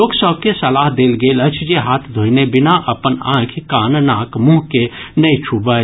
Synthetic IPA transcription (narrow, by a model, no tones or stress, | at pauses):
loːɡsəb̚kesəlaɦd̪eːlɡeːlət͡ʃʰd͡ʒeɦaːt̪ʰd̪ʱoinebɪnaʔəpənã̰kʰkaːnnakmũɦkenəit͡ʃʰubə